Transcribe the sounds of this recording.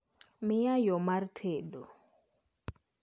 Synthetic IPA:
mɛjajɔmaɾtʰɛɗɔ

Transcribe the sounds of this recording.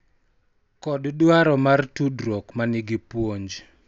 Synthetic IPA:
kɔddwaɾɔmartudɾokmanɪɡipwoɲd͡ʒ

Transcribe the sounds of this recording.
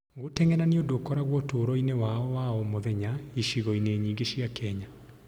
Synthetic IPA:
ɣotɛŋɛɾaneodoːkɔɾaɣwɔtoːɾɔinewaɔwaɔmoðɛɲaiʃiɣɔineːɲiːŋɡeɕiakɛɲa

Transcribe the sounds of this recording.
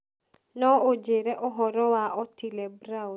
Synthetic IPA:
nɔod͡ʒeɾɛʔɔɦɔɾɔwaɔtilɛbɾa

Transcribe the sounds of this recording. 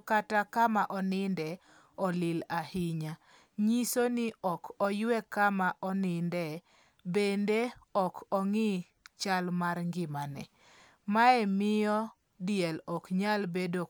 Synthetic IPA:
katakamaʔɔnɪndɛ | ɔlɪlahɪɲa | ɲisoniɔkʰɔjwɛkamaʔɔnɪndɛ | bendeɔkʰɔŋi | t͡ʃalmaɾŋɡɪmanɛ̰ | maɛmɪɔ | dɪjɛlɔkɲalbedo

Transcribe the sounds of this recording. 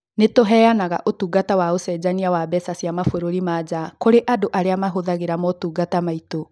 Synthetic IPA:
netoɦɛːanaɣa̰ʔotuːɡatawaosɛd͡ʑaniawabɛsasiamafoɾoɾimad͡ʑakoɾeʔadoʔaɾeamaɦoðaɣeɾamɔtuːɡatamaito

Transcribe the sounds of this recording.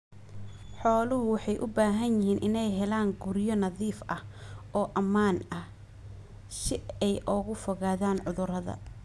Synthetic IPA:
ħɔːlʊɦʊwɑħɑjʔʊbaːɦɐnjɪhiːnʔɪnɛjɦɛlaːŋɡʊɾjɔnɐðiːfʔɐhɔːʔɐmaːnɐh | ʃɪɛjʔɔːɣʊfɔɣaːðaːnʕʊðʊɾɐðɐ̰

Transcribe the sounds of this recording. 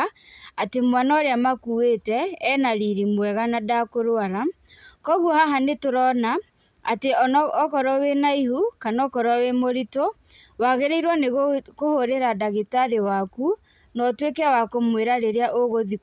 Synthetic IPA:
atemwanaoɾeamakuwetɛːnaɾiɾimwɛɣanadakoɾoaɾa | kɔɣwɔhaɦanetoɾɔna | a̰teɔːkɔɾɔwenaihukanɔkɔɾɔwemoɾito | waɣeɾeiɾwaneɣkohoɾeɾadaɣitaɾewaku | nɔtwekeawakomweɾaɾeɾeaʔoɣoði

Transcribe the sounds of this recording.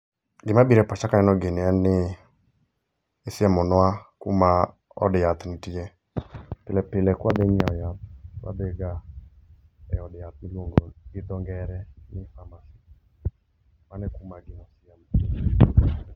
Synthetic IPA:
ɡɪmabiɾɛpat͡ʃakanɛnɔɡenɪanɪ | esɪamɔnwakṵma | ɔ̰djat̪nɪtiɛ | pɪlɛpɪlɛkwad̪ɛɲɔjat̪̚kwa̰d̪ɛɡa | ɛɔdjat̪̚nɪlwoŋɡoɡɪd̪ɔŋɡɛɾɛnɪfamasi | manɛkumaɡɪnɔsɪamɔ

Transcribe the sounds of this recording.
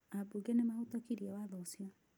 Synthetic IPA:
abuɡenemaut̪ɔkiɾiawaðɔsia

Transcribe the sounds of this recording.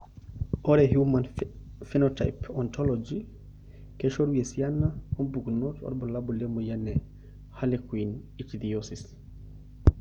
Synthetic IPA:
ʔɔɾɛhjuman | fɛnɔta̰jpʰɔntʰɔlɔd͡ʒi | kɛʃɔɾwiesijanːaɔnbuɡnɔtɔ̰ɾbɔlabɔlɛmɔjanːɛ | halɛkuinit͡ʃid̪ijosis

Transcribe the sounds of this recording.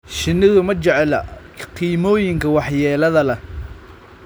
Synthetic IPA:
ʃɪnːɪðʊmɐt͡ʃɛʕɛlɐ̰ | qiːmɔːjɪŋkʰɐwɑħjɛːlɐðɐlɐ

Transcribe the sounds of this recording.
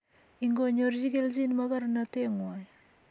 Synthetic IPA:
iŋɡoɲoɾziɡelzinmaɡaɾnateŋwaj

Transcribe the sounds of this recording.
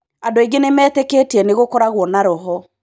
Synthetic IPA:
adoeɡenemɛːtekeːtiɛneɣokɔɾaɣwɔnaɾɔɦɔ

